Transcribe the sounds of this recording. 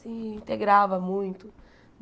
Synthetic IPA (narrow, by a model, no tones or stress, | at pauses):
sĩĩnt̪eɡɾavɐmũj̃t̪ʊ | n